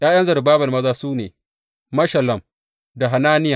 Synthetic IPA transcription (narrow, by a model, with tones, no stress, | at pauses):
jaː˦jɐ˦nzɐ˨rbaː˦bɐ˨mɐ˦zaː˦suː˦neː˨ | mɐ˦ʃɐ˨lɐ˨m | da˨ɦa˨naː˦nɪ˦ja˨